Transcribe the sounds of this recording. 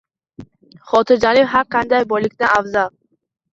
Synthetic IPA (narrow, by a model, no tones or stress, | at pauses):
χɔt̪ʰɪɾd͡ʒalifɦaɾqand̪ajbɔlikʲd̪anafzal